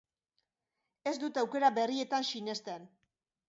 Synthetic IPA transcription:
e̞zd̪ut̪awke̞ɾabe̞rie̞t̪ansine̞st̪en

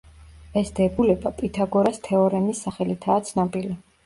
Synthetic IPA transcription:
ɛsd̪ɛbulɛbapʼit̪ʰaɡɔɾast̪ʰɛɔɾɛnisːaχɛlit̪ʰaːt̪sʰnabʼili

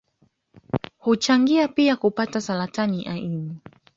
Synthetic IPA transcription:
hut͡ʃaŋɡiapiakupatasalataniʔaʔini

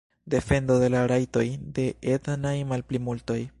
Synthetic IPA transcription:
de̞fe̞ndo̞de̞laɾajto̞jde̞ʔetnajmalplimulto̞j

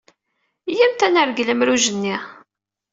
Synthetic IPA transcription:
jæmt̪ænəɾɡləmɾuʒənːi

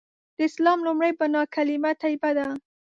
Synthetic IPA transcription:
d̪̥əɪslɑmlʊmɽajpənɑkalɪmat̪ajbad̪a

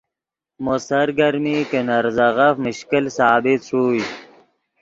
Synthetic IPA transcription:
mosɐɾɡɐɾmikənɐɾzɐɣɐfməɕkilsaːbit̪ʂuːj

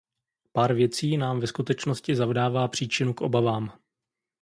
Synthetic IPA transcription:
paːɾvjɛt͡siːnaːmvɛskut̪ɛt͡ʃno̞scɪzavdaːvaːpr̝̥iːt͡ʃɪnukʔo̞̰bavaːm

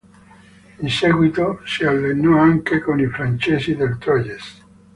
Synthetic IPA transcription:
inseɡwit̪osialːenːɔaŋkekonifɾant͡ʃeːsid̪elt̪ɾɔjes

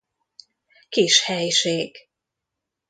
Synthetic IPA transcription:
kiʃhɛjʃeːɡ̥

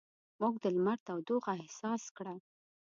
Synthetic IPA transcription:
muɡd̪əlmaɾt̪awd̪oɣahsɑskɽa

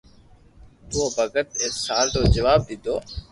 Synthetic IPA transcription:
t̪uoːbʱəɡət̪̚eːsaːlt̪oːd͡ʒəʋaːb̚d̪ɪd̪oː

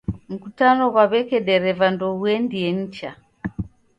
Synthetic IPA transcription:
m̩kutanɔβaβɛkɛɗɛɾɛvandɔuɛndiɛɲ̩t͡ʃa

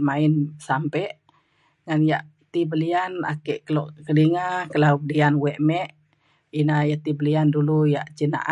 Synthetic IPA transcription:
mainsampɛʔ | ŋanjaʔ | t̪ibəliana̰kɛʔkəlɔʔkədiŋakəlab̚dianwɛʔmɛʔ | inajat̪ibəliandulujaʔt͡ʃina̰ʔa

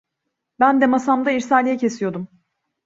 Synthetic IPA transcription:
bænd̪ɛmasamd̪aiɾsaːlʲijɛcʰe̞sijo̞d̪um

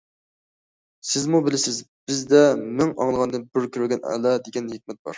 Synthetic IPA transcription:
sɪzmubɪlɪsɪzb̥ɪzd̪ɛmɪŋɑ̰ŋlˠəʁɑnd̪ɨnbyɾkʲyɾɪɡʲɛnɛ̰lɛd̪eɡʲɛnhek̚ʲmɛt̪̚bɑ̰ɾ

